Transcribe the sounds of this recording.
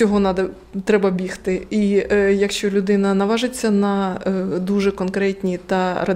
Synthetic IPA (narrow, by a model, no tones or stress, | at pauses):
ɔɦɔnɑd̪ɐ | t̪ɾɛbɐbʲixt̪ɪijɐkʃt͡ʃɔlʲʊd̪ɪnɐnɐʋɑʒɪt͡sʲːɐnɐd̪uʒɛkɔnkɾɛtʲnʲit̪ɐrɐ